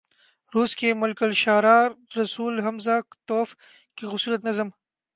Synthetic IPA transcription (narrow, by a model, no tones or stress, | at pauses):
ɾuːskemʊlkəlʃaːɾaːɾːɐsuːlɦɐmzaːkt̪oːf | kixʊsuːlət̪nɐzəm